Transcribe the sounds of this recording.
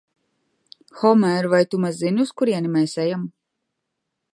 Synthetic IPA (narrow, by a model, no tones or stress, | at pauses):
xɔmɛɾvajt̪umazzːinʲuskuɾiɛnimɛːsɛjam